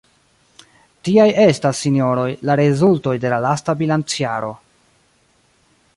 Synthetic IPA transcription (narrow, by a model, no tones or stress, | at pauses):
tiaje̞stasːinio̞ɾo̞jlaɾezulto̞jde̞lalastabilant͡siaɾo̞